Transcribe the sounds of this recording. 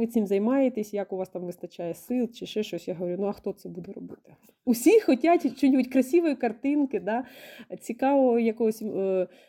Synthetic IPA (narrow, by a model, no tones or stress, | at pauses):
ɪt͡s̪ʲɪmzɐjmɑjet̪esʲjɐkʊʋɑst̪ɑmʋɪst̪ɐt͡ʃɑjɛsɪlˠt͡ʃɪʃɛʃt͡ʃɔsʲjaɦɔʋɔɾʲunuɐxt̪ɔt̪sɛbud̪ɛɾɔbɪt̪ɪ̥ | usʲixɔtʲatʲt͡ʃɔnʲibutʲkɾɐsʲiʋɔjikɐrt̪ɪnkɪd̪ɑt͡sʲikɑʋɔjɐkɔɦɔsʲ